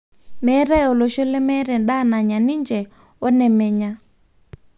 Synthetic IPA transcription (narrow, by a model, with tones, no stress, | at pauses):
mɛ˨˦ɾɛ˦ɔ˨lɔ˨ʃɔ˦lɛ˦mɛ˦ɾɛ˨nɗa˦˨na˨ɲa˨ni˦nd͡ʒɛ˨ | ɔ˦nɛ˨mɛ˨ɲa˦